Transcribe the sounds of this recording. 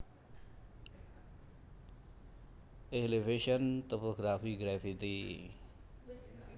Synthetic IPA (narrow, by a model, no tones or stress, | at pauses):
elebeʃənt̪opoɡɾaːfiɡɾɛːfid̪iː